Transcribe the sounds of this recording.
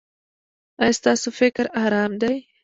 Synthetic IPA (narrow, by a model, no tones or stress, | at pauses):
ajst̪ɑːsofɪkɾahɾɑːmd̪aj